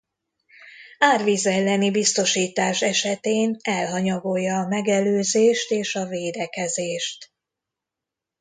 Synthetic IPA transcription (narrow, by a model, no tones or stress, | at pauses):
aːrvizɛlːɛnibist̪o̞ʃiːt̪aːʃɛʃɛt̪eːnɛlɦɒɲɒɡo̞jːɒːmɛɡɛløːzeːʃt̪eːʃɒveːd̪ɛkɛzeːʃt̪